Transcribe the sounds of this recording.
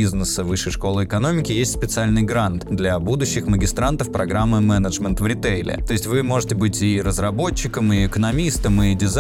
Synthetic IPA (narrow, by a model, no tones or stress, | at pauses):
iznəsəvɨʂːɨjʂko̞lˠəɨɪkɐno̞mʲɪkʲɪjesʲtʲspʲɪt̪sɨalʲnɨjɡɾant̪d̪lʲɐbud̪ʊɕːɪxməɡʲɪst̪ɾant̪əfpɾɐɡɾamːɨmɛnəʐmʲənt̪vɾʲɪt̪ejlʲɪ̰t̪o̞ɪsʲtʲvɨmo̞ʐɨtʲɪbɨtʲɪɾəzrɐbo̞t͡ɕːɪkəmɪɪkənɐmʲist̪əmɨdʲɪz